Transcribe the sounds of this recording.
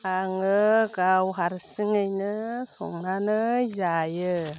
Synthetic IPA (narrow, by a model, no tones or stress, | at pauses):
aŋəkawuɦaɾsiŋənəso̰ŋnanəjajə